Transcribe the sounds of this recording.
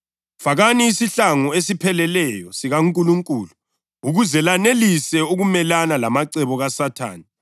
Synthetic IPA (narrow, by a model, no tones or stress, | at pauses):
faɣaniːsiɬaŋuesipʰɛlɛlɛjɔsiɣaŋkʼuluŋkʼuːlu | uɣuzɛlanelisɛuɣumɛlanalamaǀɛβɔɣasatʰa̰ːni